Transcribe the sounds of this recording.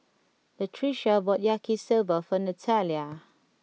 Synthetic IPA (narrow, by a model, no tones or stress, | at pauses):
lətʰɹiʃəbɔʔjakʰisɪlvəfənətʰaljə